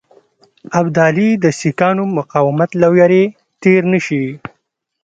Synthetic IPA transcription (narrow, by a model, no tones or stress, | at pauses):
abd̪ɑːlid̪əsikɑːnomʊqɑːwɪmat̪lawjaɾe | t̪eɾnəʃi